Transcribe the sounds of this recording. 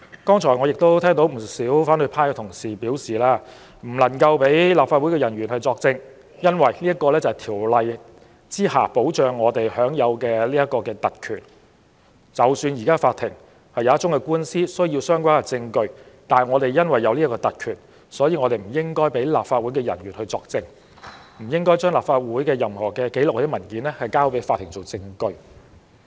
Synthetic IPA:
kɔː˥ŋt͡ʃʰɔː˨˩ŋɔ˨˧jɪ˨k̚t̪o˥wt̪ʰɛː˥ŋt̪o˨˥wm̩˨˩siː˨˥wfaː˨˥nhɵ˧ɥpʰaː˥jkɛ˧t̪ʰʊ˨˩ŋsiː˨˩piː˨˥wsiː˨˩laː˥ | m̩˨˩lɐ˨˩nkɐ˧wpe˨˥jlaː˨˩pfaː˧t̚u˨˥jkɛː˧jɐ˨˩nɥyː˨˩nhɐ˨jt͡sɔː˧k̚t͡sɪ˧ŋ | jɐ˥nwɐ˨˩jliː˥ɐ˥tkːɔː˧lɛː˥t͡sɐ˨jt̪ʰiː˨˩wlɐ˧j | t͡siː˥ha̰ː˨po˨˥wt͡ʃœː˨ŋːɔː˨˧t̪e˨jhœː˨˥ŋjɐ˨˧wkɛː˧liː˥jɐ˥t̚kɔː˧kɛː˧t̪ɐ˨t̚kʰy̰ː˨˩n | t͡sɐ˨wsyː˧njiː˨˩kaː˥faː˧t̪ʰɪ˨˩ŋ | hɐ˨jaː˨˦˥tt͡ʃʊ˨˥ŋkɛː˧kuː˥nsiː˥sɵ˥ɥji˧wsœː˥ŋkʷaː˥nkɛ˨˩t͡sɪ˧ŋkɵ˧ɥt̪aː˨˩nŋɔː˨˧t̪e˨jːɐ˥nwɐ˨jːɐ˨˧wliː˥ɐ˥kːɔː˧t̪ɐ˨t̚kʰyː˨˩n | sɔː˨˥jiː˧ŋɔː˨˧ɾe˨jm̩˨˩jɪ˥ŋkɔː˥jpe˨˥jlaː˨p̚faː˧t̚wuː˨˥jkɛː˧jɐ˨˩nɥyː˨˩nhɵ˧ɥt͡sɔː˧k̚t͡sɪ˧ŋ | m̩˨˩jɪ˥ŋkɔː˥jt͡ʃœː˥ŋlaː˨pfaː˧t̚wuː˨˥jkɛː˧jɐ˨mhɔː˨˩kɛː˧ke˨˥lʊ˨k̚ɔ˧˥ɪ˥mɐ˨˩nkiː˨˦nlɛː˥hɐ˨jkaː˥wpe˨˥jfaː˧t̪ʰːɪ˨˩ŋt͡so˨˩wt͡sɪ˧ŋkɵ˧ɥ

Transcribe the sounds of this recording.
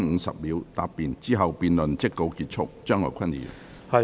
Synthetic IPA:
ŋŋ̩˨˧sɐ̰˨p̚liː˨˥wt̪aː˧pːiː˨nt͡siː˥ɦɐ˨wpiː˨nlɵ˨nt͡sɪ˥kːo˧wkiː˧t̚t͡sʰʊ˥k̚t͡ʃœː˥ŋɔ̰ː˨˧jkʰɐ˥nḭ˨˩˨ | hɐ˨

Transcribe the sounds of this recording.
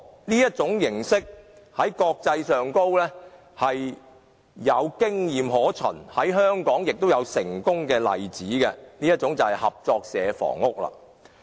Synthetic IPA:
niː˥jɐ˥t̚t͡sʊ˨˥ŋjɪ˨˩ŋsɪ˥k̚ | hɐ˨˥jkɔː˧k̚t͡sɐ˧jsœː˨ŋko˥wlɛː˥ | hɐ˨jː | ɐ˨˧wkɪ˥ŋjiː˨˩mhɔː˨˥t͡ʃʰɵ̰˨˩nhɐ˨˥jɦœː˥ŋkɔː˨˥ŋjɪ˨k̚t̪o˥wjɐ˨˧wsɪ˨˩ŋkʊ˥ŋkɛː˧lɐ̰˨jt͡siː˨˥kɛ˧niː˥jɐ˥t̚t͡sʊ˨˥ŋt͡sɐ˨whɐ˨jhɐ˨p̚t͡sɔː˧k̚sɛː˨˧fɔ̰ː˨˩ŋʊ˥k̚la̰ː˧

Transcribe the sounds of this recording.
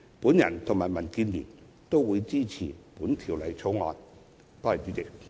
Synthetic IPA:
puː˨˥njɐ̰˨˩nt̪ʰʊ˨˩ŋmaː˨˩jmɐ˨˩nkiː˧nlḭː˨˩n | t̪o˥wwuː˨˧jt͡siː˥t͡sʰiː˨˩puː˨˥nt̪ʰiː˨˩wlɐ˨˧jt͡sʰo˨˥wŋɔː˨˧n | t̪ɔː˥ɐ˨˩t͡ʃyː˨˥t͡sɪ˨k̚

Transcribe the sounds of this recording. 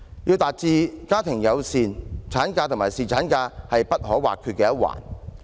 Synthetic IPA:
jiː˧wt̪aː˨t̚t͡siː˨˧kaː˥t̪ʰɪ˨˩ŋjɐ˨˧wsiː˨nt͡sʰaː˨˥nkaː˧t̪ʰʊ˨˩ŋmaː˨˩jsiː˨t͡sʰaː˨˥nkaː˧hɐ˨jpɐ˥t̚hɔː˨˥wa̰ː˨˩kʰyː˧t̚kːɛː˧jɐ˥t̚wa̰ː˨˩n

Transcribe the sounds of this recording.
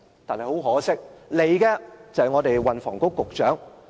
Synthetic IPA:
t̪aː˨nhɐ˨jho˨˥wɦɔː˨˥sɪ˥k̚le˨˧jkɛː˧t͡sɐ˨hɐ˨jŋɔː˨˧t̪e˨jwɐ˨nfɔ̰ː˨˩ŋkʊ˥kːʊ˨k̚t͡ʃœː˨˥ŋ

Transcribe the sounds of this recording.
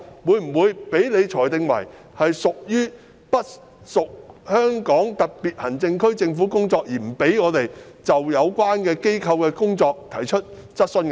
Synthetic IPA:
wuː˨˧jm̩˨˩wuː˨˧jpe˨˥jne˨˧jt͡ʃʰɔː˨˩jt̪ɪ˧ŋwɐ̰˨˩j | hɐ˨jsʊ˨k̚jyː˥ | pɐ˥t̚ | sʊ˨k̚hœː˥ŋkɔː˨˥ŋt̪ɐ˨k̚piː˨˩t̚hɐ˨˩nt͡sɪ˧ŋkʰɵ˥ɥt͡sɪ˧ŋfuː˨˥kʊ˥ŋt͡sɔː˧k̚jiː˨˩m̩˨˩pe˨˥jŋɔː˨˧t̪e˨j | t͡sɐ˨wjɐ˨˧wkʷwaː˥nkɛː˧ke˥jkʰɐ˧wkɛː˧kʊ˥ŋt͡sɔː˧k̚t̪ʰɐ˨˩jt͡ʃʰɵ˥t̚ | t͡sɐ˥t̚snkː

